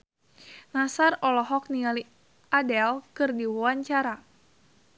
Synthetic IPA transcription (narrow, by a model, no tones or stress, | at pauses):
nasarɔlɔɦɔk̚niali | adɛlkɨrdiwuwaɲt͡ʃaɾa